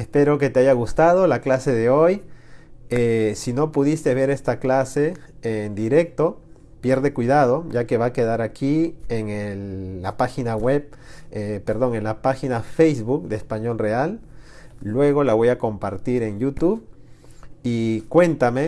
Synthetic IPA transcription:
espe̞ɾo̞k̬e̞t̪eaʝaɣust̪að̞o̞laklase̞ðe̞o̞j | esino̞puðist̪e̞βe̞ɾe̞st̪aklase̞end̪iɾe̞k̚t̪o̞ | pje̞ɾðekwiðað̞o̞ʝake̞βake̞ðaɾakʰieŋelːapaxinaweβ | epeɾðo̞ŋe̞nlapaxinafejzβuk̚d̪eespaɲo̞lre̞alː | we̞ɣo̞laβo̞jako̞mpaɾt̪iɾe̞ŋjut̪uβ | ikwe̞nt̪ame̞

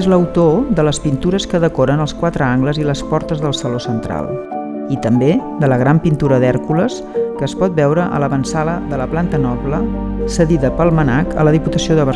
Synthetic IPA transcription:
ezləwt̪oðələspint̪uɾəskəðəkoɾənəlˠskwat̪ɾəaŋɡləziləspɔɾt̪əzðəlˠsəlosənt̪ɾa̰lˠ | it̪əmbed̪ələɣ̞ɾampint̪uɾəðɛɾkuləs | kəːspɔt̪̚bɛwɾəʔə̰ləβənsaləðələplant̪ənɔplə | səðiðəpəlˠmənakə̰ləð̞iput̪əsioðəβə

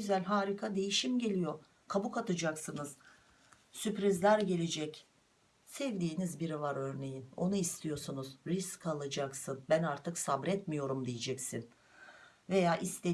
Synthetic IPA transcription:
ɟyzælʲɦaːɾikʰad̪e̞jiʃimɟe̞lʲijo̞ | kʰabukat̪ʰɯd͡ʒaksɯnɯz̥ | sypɾizlʲæɾɟe̞lʲed͡ʒɛc | sɛvd̪iːnizbiɾivaɾø̞ɾne̞jino̞nuist̪ʰijo̞sunuz̥ɾiskʰalˠɯd͡ʒaksɯnbænaɾt̪ʰɯksabɾɛt̪mijo̞ɾumd̪ijid͡ʒɛcsin | ve̞jaːʔist̪e

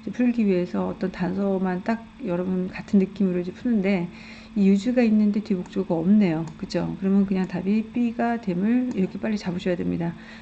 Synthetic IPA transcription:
d͡ʑepʰuɭɡiɥie̞sʰʌːt͈ʌntansʰʌmant͈ak̚jʌɾʌbunkatʰɯnːɯk͈imɯɾɯd͡ʑepʰunɯnde̞ | ijud͡ʑuɡainːɯnde̞tebok̚t͡ɕ͈oɡaʌmne̞jokɯd͡ʑʰokɯɾʌmjʌnkɯɲaŋtabip͈iɡadwe̞mɯɭiɾʌkʰep͈aʎːit͡ɕaboɕʰʌjade̞mɲida

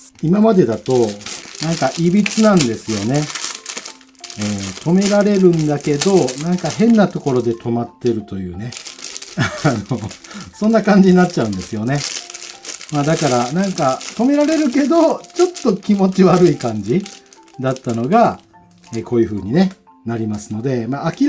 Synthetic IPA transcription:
imamad̪e̞d̪at̪o̞nãŋkaʔibʲit͡sɨnãnd̪e̞sɨjo̞ne̞ | eːt̪ʰo̞me̞ɾaɾe̞ɾɯ̟̃nd̪ake̞d̪o̞nãŋkaɦẽ̞nːat̪o̞ko̞ɾo̞d̪e̞t̪ʰo̞mat̪ːe̞ɾɯ̟t̪o̞jɯ̟ːne̞anosõ̞nːakãɲ̟d͡ʑiɲ̟inatt͡ɕaɯ̟̃nd̪e̞sɨjo̞ne̞ | maːd̪akaɾanãŋkat̪o̞me̞ɾaɾe̞ɾɯ̟ke̞d̪o̞t͡ɕo̞t̪ːo̞kʲimo̞t͡ɕiβaɾɯ̟ikãɲ̟d͡ʑi | d̪at̪ːano̞ɡa | eːko̞ːjɯ̟ɸɯ̟ːɲ̟ine̞ | naɾʲimasɨno̞d̪e̞maːkʲi

